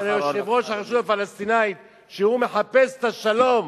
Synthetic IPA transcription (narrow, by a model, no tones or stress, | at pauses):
eʃevʁoʃaχaʃuvafalast̪inajit̪ | ʃehume̞ħapese̥t̪aʃalo̞m